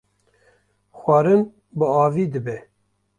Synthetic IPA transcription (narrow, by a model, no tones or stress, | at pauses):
xwɑːɾɨn | bɨɑːviːd̪ɨbɛ